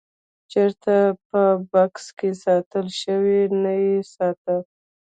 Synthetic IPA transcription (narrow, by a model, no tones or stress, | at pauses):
t͡ʃeɾt̪apəbakskesɑt̪əlʃəwenajesɑt̪ə